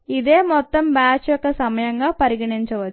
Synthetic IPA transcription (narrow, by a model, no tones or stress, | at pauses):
iðeːmɔt̪ːɐmbaːt͡ɕːjokːesɐmɐjɐŋɡaːpɐɾiɣɐɳiɲt͡ɕɐʋɐ